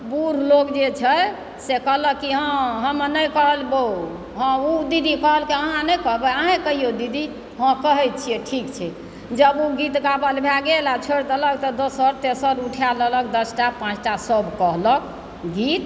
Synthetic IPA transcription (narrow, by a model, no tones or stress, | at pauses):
buɾlokd͡ʒet͡ʃʰə | sekəɦləkiɦãɦəmənəjkəɦəlbo | ɦə̃ud̪id̪ʱikəɦəlkeəɦãnəjkəɦbəaɦãkəɦijod̪id̪ʱi | ɦə̃kəɦɛt̪̚t͡ʃʰijɛʈʰikt͡ʃʰɛ | d͡ʒəbuɡit̪ɡabəlbʱaɡelat͡ʃʰeɽt̪ələk̚t̪ɔd̪osəɾt̪esəɾuʈʰijalələk̚d̪əsʈapãt͡ʃʈasəbkəɦlək̚ | ɡit̪